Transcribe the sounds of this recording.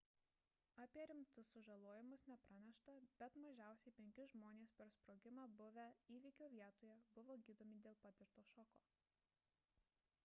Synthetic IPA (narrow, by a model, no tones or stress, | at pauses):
ɑpʲiɛɾʲɪmt̪ʊsʊʒɐlˠoːjɪmʊsnʲɛpɾɐnʲɛʃt̪ɐb̥ʲɛt̪mɐʒʲæˑʊsʲɛɪpʲɛŋʲkʲɪʒmoːnʲeːspʲɛɾspɾoːɡʲɪmɑːbʊʋʲɛiːʋʲikʲoːʋʲiɛt̪oːjɛbʊʋoːɡʲiːd̪oːmʲiːd̪ʲeːlˠpɑt̪ʲɪɾt̪oːʃɔkoː